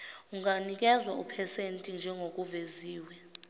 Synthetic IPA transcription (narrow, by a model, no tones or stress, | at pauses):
uŋanik̬ʼɛzwaṵpʰɛsentʼind͡ʒʱɛŋok̬uveziːwɛ